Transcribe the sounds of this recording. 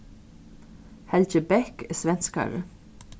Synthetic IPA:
hɛlt͡ʃəbɛkeːsʋɛnskɑ̰ʉɹə̰

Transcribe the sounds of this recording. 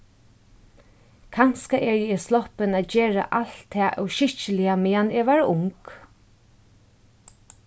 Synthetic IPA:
kʰanskaʔɛɹjɛɛslɔhpɪnaːd͡ʒeːɹa̰ʔal̥t̪ʰːɛːʔɛwʃɪht͡ʃəlɪjamɛːaneːʋaːɹʊŋk

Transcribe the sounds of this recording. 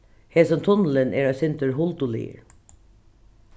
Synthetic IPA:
heːsɔmt̪ʰʊnl̩əneːɾɑːsɪnt̪əɹɦʊlt̪ʊlḭːɹ

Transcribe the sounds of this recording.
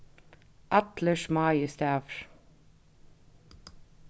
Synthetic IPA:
ʔɑt̪ləʃmɑːjəst̪æːʋɹ

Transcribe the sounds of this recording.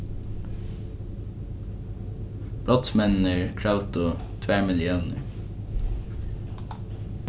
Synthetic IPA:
b̥lɑt̪smɛnəɹkʰɹaʊt̪ʊt̪ʰʋæːmɪljəʊnə̰ɹ

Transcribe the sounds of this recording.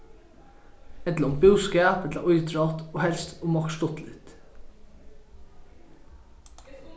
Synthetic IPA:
ɛt̪ləɔmbʉːskæːpɛt̪lɑʔɔʏd̪ɾɑːt̪oːhɛlst̪omɑkʃtɔt̪lɪt̪

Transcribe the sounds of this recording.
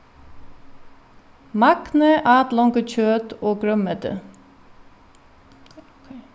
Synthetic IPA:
mɑknəʔɑːt̪lɔŋɡəc͡çøːt̪oːɡɹœməd̪ə̰

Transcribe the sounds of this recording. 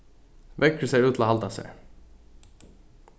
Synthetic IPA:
ʋɛkːəsæɪʉːt̪ʰlɑhɑlt̪ɑsɛ̰

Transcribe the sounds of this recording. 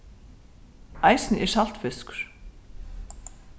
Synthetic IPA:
ajsnʔɛ̥sal̥t̪fɪskɾ̥

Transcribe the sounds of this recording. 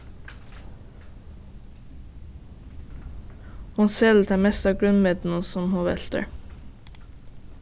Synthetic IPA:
hʊnsɛːlt̪ʰæːmɛst̪ɑːɡɹʉnmɪd̪n̩sɔmhoʋɛ̰lt̪ə̰ɹ

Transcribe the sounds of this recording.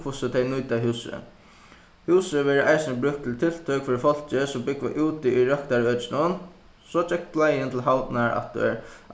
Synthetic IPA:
kʰʊsət̪ʰɛɪjnujt̪aɦʉːsə̰ | huːsəʋɛːɾəʔaɪsɪnəbɾʏkt̪ʰɪlt̪ʰɪl̥t̪ʰœkfɪːɾɪfɔl̥t͡ʃɪsɔmbɪkʋa̰ʔuːt̪ɪiɾœkt̪aɹœːt͡ʃɪnʊn | sɔt͡ʃɛk̚t̪blajɪnt̪ʰɪlɦawt̪naɹa̰t̪̚d̪ṵɛ̰ɾ

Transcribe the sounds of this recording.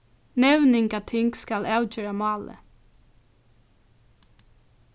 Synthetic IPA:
nɛwnɪŋkat̪ʰɪŋkskalɑwt͡ʃøːɹamɑːlə̰

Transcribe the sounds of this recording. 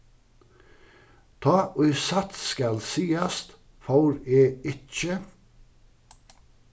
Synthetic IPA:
t̪ʰɑːʔœʏsɑt̪sskɑlsiːɑst̪ | fɑʊɾeːɪt͡ʃə

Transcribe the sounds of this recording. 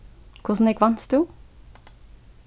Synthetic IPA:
kʰʊsn̩ɛkʋɑnst̪uː

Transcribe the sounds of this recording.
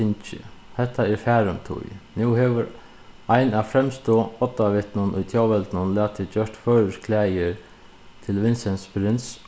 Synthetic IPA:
ɪnt͡ʃɪ̰hɛht̪ːaɛɾfæːɾʏmt̪ʰʊ̰jnuwhɛʋʏɾ | ajnafɾɛmst̪oːɔt̪ːaʋɪht̪nʊnʔʊ̰jt̪ʰjawʋɛlt̪nʊnlæːt̪ʰɪt͡ɕœʂt̪fœːɾəskʰlɛːjɪɾ | t̪ʰɪlʋɪnsɛnspɾɪns

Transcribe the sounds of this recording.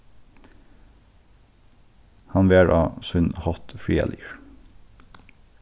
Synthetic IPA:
hɑnʋeːɹʔɑ̰ːsʉnhɔt̪fɹiːɑ̰lʔḭːɹ

